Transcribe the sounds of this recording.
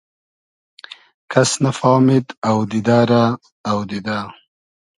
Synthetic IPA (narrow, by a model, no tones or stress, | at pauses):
kʰɐsnafɑːmɪd̪awd̪id̪aːɾaː | wd̪id̪aː